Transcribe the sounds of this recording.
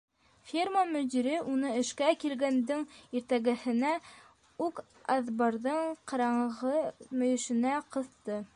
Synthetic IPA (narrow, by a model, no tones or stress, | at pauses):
fʲirmamɵ̆d̪iɾɘʔunɤɘ̆ʃkækilɡænd̪ɘŋiɾt̪æɡɘ̆hɘ̆næ | ʉk | ɑðbɑɾðɤɴqɑ̆ɾɑɴʁɤmɵ̆jɵ̆ʃɘ̆næqɤ̆θt̪ɤ